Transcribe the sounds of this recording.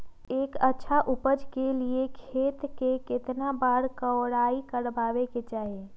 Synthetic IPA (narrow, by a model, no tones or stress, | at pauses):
eːkətːʃʰaʔʊpəd͡ʒkeliekʰeːt̪kekɪt̪nabaːɽkəʊɽaːikəɾbaːʋeket͡ʃaːɦie